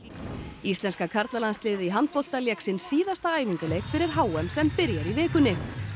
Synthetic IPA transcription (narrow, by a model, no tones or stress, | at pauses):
ist̪lɛnskakʰaɾt̪lalanst̪lɪːðiɦant̪̚fol̥t̪aljɛksɪnsːiːðast̪aaːjviɲkɪlejkfɪɾɪɾ̥ɦaːwɛmsɛmpɪɾjɛɾivɪːkʏnːɪ